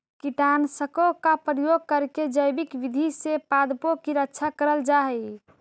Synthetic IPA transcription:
kiʈansəkokapɾijoɡ̚kəɾked͡ʒəjbikʋid̪ʱisepad̪pokiɾətːʃʰakəɾəld͡ʒaɦɛj

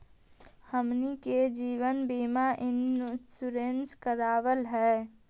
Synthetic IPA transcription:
həmniked͡ʒiːwənbiːmaʔɪnsuɾenskəɾaːʋəlɦɛː

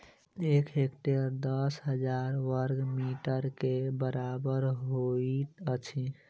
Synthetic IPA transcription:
ekɦekʈeɾd̪əsɦəd͡ʒaɾʋəɾɡmiʈəɾkebəɾabəɾɦoit̪ət͡ʃʰi

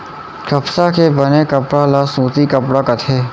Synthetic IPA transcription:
kʰəpsakebənekəpɽalasũːt̪ikəpɽaːkət̪ʰeː

